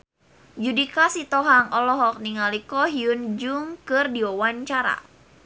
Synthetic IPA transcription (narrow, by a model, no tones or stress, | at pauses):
d͡ʒudikasit̪ɔɦaŋɔlɔɦɔk̚niŋalikɔɦiund͡ʒuŋkɨrdiɔwaɲt͡ʃaɾa̰